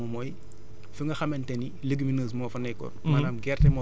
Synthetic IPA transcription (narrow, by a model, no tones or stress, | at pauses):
ɔmɔj | fuŋɡɐxɐmɐntɛni | ləɡiminəːs̬mɔːfɐnɛkɔ̰rmaːnaːmɡɛrtɛmɔ